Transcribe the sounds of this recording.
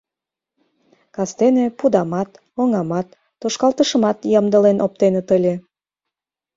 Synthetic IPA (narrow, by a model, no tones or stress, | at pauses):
kɑst̪enepud̪ɑmɑt̪ | oŋɑmɑt̪ːoʃkɑlt̪əʃə̆mɑt̪jɑmd̪əlenʔop̚t̪enet̪əlʲe